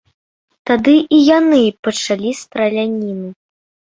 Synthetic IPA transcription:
t̪ad̪ɨʔijanɨpɐt͡ʂalʲist̪ɾɐlʲanʲinɨ

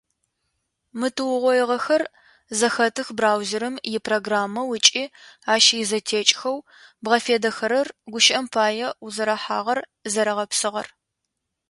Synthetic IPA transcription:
mɨtʰɨwʊʁʷɔjɪʁɐxɐr | zɐxɐtʰɨxbraːwzɪɾɐmjɪpʰroːɡraːmːɐwət͡ʃʼiːaːʃjɪzɐtʰeːt͡ʃʼxɐw | bʁɐfeːdɐxɐɾɐrɡʷʊʃʔɐmpʰaːjɛuzɐɾɐħa̰ːʁɐrzɐɾɐʁɐpsɨʁɐ̰r

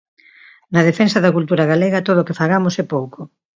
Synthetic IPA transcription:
nɐð̞efensɐðɐkult̪uɾɐɣaleɣɐt̪oðokefaɣamosɛpowko

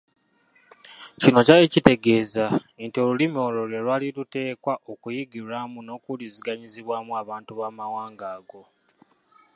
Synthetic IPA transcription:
cino̞caecite̞ɡe̞ːza | entio̞lulimio̞ːlo̞ɾwelwaːlilute̞ːkwaʔokujiɡiɾamuno̞kuliziɡaɲiziβwaːmuaβaːntuβaːmawaːŋɡaːɡo̞

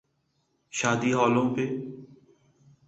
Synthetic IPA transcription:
ʃaːd̪iːɦɔːlõmpeː

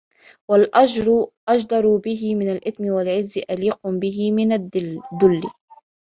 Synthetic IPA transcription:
walʔad͡ʒɾˤʔad͡ʒd̪ˤɑɾˤʊbɪɦɪmɪnalʔɪθmɪwalʕɪzːɪʔaliːqʊbɪɦɪmɪnad̪ːʊlːɪ

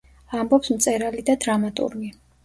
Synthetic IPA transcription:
ambɔpsmt̪sʼɛɾalid̪ad̪ɾamat̪ʼṵɾmi

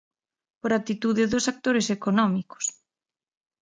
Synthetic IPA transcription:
poɾat̪it̪uðɪðʊsak̚t̪oɾesekonɔmiko̥s

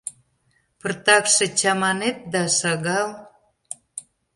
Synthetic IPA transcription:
pərt̪ɑkʃĕt͡ɕɑmɑnet̪̚d̪ɑʃɑɣɑl

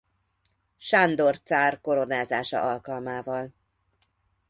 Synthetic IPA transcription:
ʃand̪o̞rt̪saːrko̞ɾo̞naːzaːʃɒ̰ʔɒlkɒlmaːvɒl

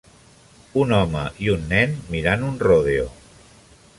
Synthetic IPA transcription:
unɔmə̰ʔiunːɛnmiɾanunroðeo

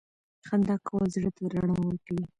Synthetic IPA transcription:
xand̪ɑkawazɽət̪aɾaɳawəɾkawi

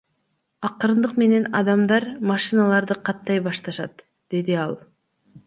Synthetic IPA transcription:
ɑqɯɾnd̪ɯqme̞ne̞nɑd̪ɑmd̪ɑɾmɑʃinɑlˠɑɾd̪ɯqʰɑt̪ːɑjbɑʃt̪ɑʃɑ̰t̪ | d̪̥e̞d̪iɑlˠ

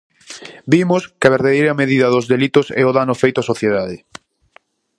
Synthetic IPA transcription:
bimʊskɪaβeɾðaðejɾɐmeðiðɐðʊzðelit̪ʊsɛ̰oðanʊfejt̪ʊasoθjeðaðɪ

